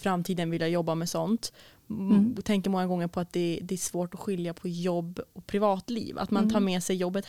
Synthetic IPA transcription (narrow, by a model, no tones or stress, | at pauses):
fɾamːt̪ʰiːd̪ənvɪljajɔbːamɛsɔnt̪ | t̪ʰɛŋkəɾmɔŋːaɡɔŋːəɾpʰɔat̪̚d̪ɛd̪ɛæʂvoːʈɔɧɪljapʰɔjɔbːɔpʰɾɪvɑːt̪lḭːva̰t̪mant̪ʰɑːɾmɛsɛjjɔbːət̪